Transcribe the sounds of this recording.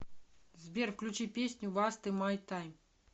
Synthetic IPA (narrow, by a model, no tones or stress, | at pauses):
zʲbʲerfklʲut͡ɕipʲesʲnʲuvast̪ɨmajt̪ajm